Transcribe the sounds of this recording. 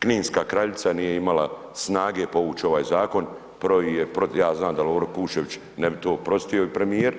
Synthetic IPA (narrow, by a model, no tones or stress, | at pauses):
kniːnskaːkɾaʎit̪sanije̞imala | snaːɡepo̞ʋuːt͡ʃeo̞ʋaːjzaːko̞n | pɾoijepɾojaːznaːmd̪aloːɾokuːʃeʋit͡ʃ | nebit̪o̞ːpɾo̞st̪io̞ipɾe̞mieɾ